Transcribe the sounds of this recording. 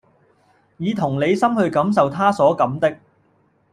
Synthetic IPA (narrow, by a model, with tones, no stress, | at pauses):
jiː˨˧t̪ʰʊ˨˩ŋle˨˧jsɐ˥mhɵ˧ɥkɐ˨˥ms̬ɐ˨wt̪ʰaː˥sɔː˨˥kɐ˨˥mt̪ɪ˥k̚